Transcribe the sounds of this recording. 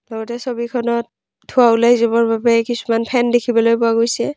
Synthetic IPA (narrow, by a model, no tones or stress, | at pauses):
lɔɡɔtɛsobikʰɔnɔt̚ | tʰːʊaulajzɔbɔɹbabɛkisu̥manpʰɛndekʰibɔlojpʊaɡojsɛ